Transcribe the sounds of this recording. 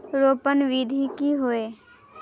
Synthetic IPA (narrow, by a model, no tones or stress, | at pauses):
ɾoːpənʋid̪ʱikiɦoeː